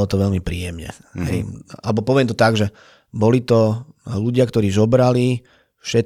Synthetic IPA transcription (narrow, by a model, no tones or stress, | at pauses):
ɔt̪ɔʋɛʎmipɾiːjɛmɲɛ̰ | ɦɛ̰ɪa̰lɛbɔpɔʋɪɛmt̪ɔt̪aɡʒɛ | bɔlit̪ɔluɟɪakt̪ɔɾiːzɔbɾali | fʃɛt̪